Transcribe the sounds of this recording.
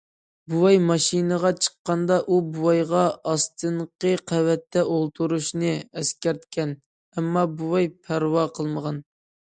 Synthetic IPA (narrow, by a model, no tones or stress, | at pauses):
buwɑjmɑʃinəʁɑt͡ʃʰə̥qːɑnd̪ɑʔubuwɑjʁɑɑst̪ʰɨɴqəqʰæwɛt̪ʰːɛʔolˠt̪ʰuɾuʃnɨɛskʲɛɾt̪kʲʰɛn | ɛmːɑbuwɑjpʰæɾwɑqʰəlˠməʁɑn